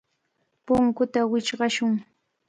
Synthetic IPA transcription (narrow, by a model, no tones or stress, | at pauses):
pʊŋkʊt̪awɪt͡ʃɢɑʃʊŋ